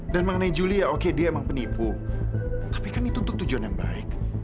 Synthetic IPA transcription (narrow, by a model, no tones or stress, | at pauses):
danməŋənaid͡ʒuliaokediaemaŋpənipu | t̪ḁpikanit̪unt̪ʊk̚t̪ud͡ʒuanjaŋba̰ɪk̚